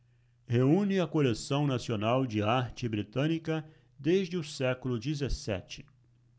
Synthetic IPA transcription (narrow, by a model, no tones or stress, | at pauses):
heũnɪɐkolesɐ̃w̃nasionawd͡ʒɪaɾt͡ʃɪbɾit̪ɐ̃nikɐ | d̪eʒd͡ʒɪʊsɛkʊlʊd͡ʒizesɛ̰t͡ʃɪ̥